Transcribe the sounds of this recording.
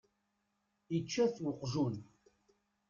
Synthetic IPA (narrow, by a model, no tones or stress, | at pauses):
it͡ʃːæθwəqʒun